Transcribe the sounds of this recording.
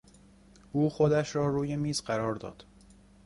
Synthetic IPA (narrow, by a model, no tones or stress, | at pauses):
ʔuːxod̪æʃɾɒːɾuːje̞miːzɢæɾɒːɾd̪ɒ̰ːd̪̥